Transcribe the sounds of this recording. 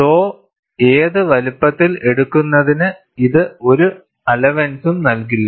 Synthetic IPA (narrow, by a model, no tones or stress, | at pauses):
toː | eːðɨʋɐlupːɐt̪ːile̞ɽukːunːɐðinɨ | iðɨo̞ɾu | ɐlɐʋensumnɐlk̬ilːɐ